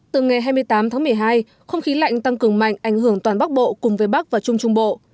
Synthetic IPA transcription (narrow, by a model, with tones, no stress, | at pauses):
t̪ɨ˨˩ŋa˨˩jɦaː˧jmɨ˧əjt̪aː˨˦mt̪ʰaː˨˦m˨˩əjɦaː˧j | xə˧wŋ͡mxi˨˦la̰˧˨jŋ̟t̪a˧ŋkɨ˧˩əŋma̰˧˨jŋ̟ʔa˧˩jŋɦɨ˧˩əŋt̪waː˨˩nɓa˦˥k̚ɓo̰˧˨kʊ˨˩ŋ͡mvəː˨˦jɓa˦˥k̚vaː˨˩t͡ɕʊ˧ŋ͡mt͡ɕʊ˧ŋ͡mɓo̰˧˨